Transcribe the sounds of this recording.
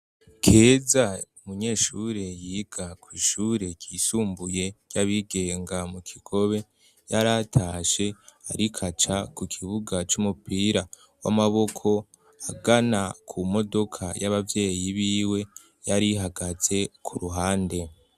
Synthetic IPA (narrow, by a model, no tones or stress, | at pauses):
kʰe̞ːzaumuɲe̞ːʃuɾe̞jiːɡ̥akwiːʃuːɾe̞ɟiːsuːmbuje̞caβiɡe̞ːŋɡamukʰiɡ̥o̞βe̞ | jaɾatʰaːʃe̞aɾikʰat͡ʃakukʰiβuɡat͡ʃumupiːɾa | wa̰maβo̞kʰo̞ | aɡanakʰumo̞do̞kʰa̰jaβavje̞ːjiβiːwe̞ | jaɾiɦaɡaz̥e̞kʰuɾuɦaːnde̞